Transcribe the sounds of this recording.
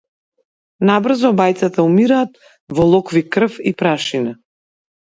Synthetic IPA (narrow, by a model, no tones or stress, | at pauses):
nabr̩zɔbajt̪sat̪aumiɾaːt̪ | vɔlˠɔkvikr̩fipɾaʃina